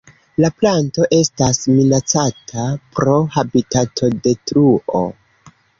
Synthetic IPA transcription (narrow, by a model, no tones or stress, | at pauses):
laplanto̞ʔe̞stasminat͡satʰapɾo̞habitatʰo̞de̞tɾuʔo̰